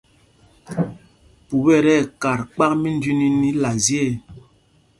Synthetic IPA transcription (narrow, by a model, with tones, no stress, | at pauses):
pu˨bɛ˦˨ɾɛ˦˨ka˨ɾk͡pa˦k̚mi˦n˦di˦ni˦ni˦la˨zje˦˨